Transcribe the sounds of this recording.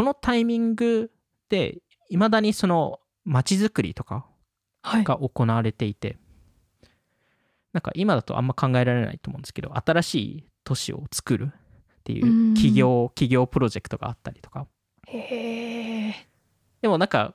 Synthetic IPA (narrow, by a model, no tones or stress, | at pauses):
ko̞no̞t̪aimʲĩŋɡɯ̟ | d̪̥e̞̰ | imad̪aɲ̟iso̞no | mat͡ɕizɨkɯ̟ɾʲḭt̪o̞̥ka̰ | haiɡ̥aʔo̞ko̞naβaɾe̞t̪e̞it̪e̞̰ | nãŋka̰ʔimad̪at̪o̞̰ʔã̰mːakʰãŋɡae̞ɾaɾe̞na̰it̪omõnd̪esɨ̥keo̰ʔat̪aɾaɕḭː | t̪o̞ɕḭo̰t͡sɨ̥kɯ̟ɾʔɯ̟ | t̪ːe̞jɯ̟̰ːkʲiɡʲo̞ːkʲiɡʲo̞ːpɯ̟ɾo̞ʑe̞kɯ̟̥t̪o̞ɡa̰ːt̪ːaɾʲi̥t̪o̞̥ka | e | d̪̥e̞mo̞nãŋka̰